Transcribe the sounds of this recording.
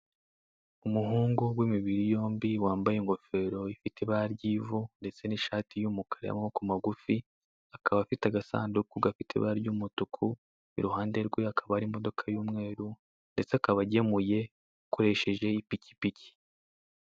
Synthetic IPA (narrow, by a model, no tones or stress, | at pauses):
umuɦuːŋɡuwimiβiɾijo̞ːmbiwaːmbajeŋɡo̞fe̞ːɾo̞ifitʰeβaaɾɟiːvunde̞t͡se̞niʃaːtijuːmukʰaɾḛa̰mokumaɡufi | akaβafitaɡasa̰ːndukuɡafitʰḛβa̰aɾɟuːmutukʰu | ḭɾuhaːnde̞ɾɡwe̞akʰaβaaɾimo̞do̞kʰajuːmŋe̞ːɾu | nde̞t͡seakaβaɟe̞muje̞ | ukʰo̞ɾe̞ʃe̞ʒe̞ipici̥pici̥